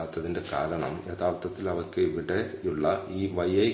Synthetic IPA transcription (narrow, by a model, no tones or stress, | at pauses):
ʋɐt̪ːɐðinde̞ka̰ːɾɐɳɐ̰mjet̪aːʋɐt̪ːɐt̪ːilɐʋɐkːeiʋiɽeuɭːɐiːʋɐjɐj